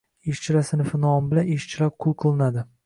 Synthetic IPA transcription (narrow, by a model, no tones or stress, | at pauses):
eʃt͡ʃʰɪɾasɪnɪfɪnɒmbɪlaneʃt͡ʃʰɪlap̚qʰʊlˠqʰɨlˠɪnad̪ɪ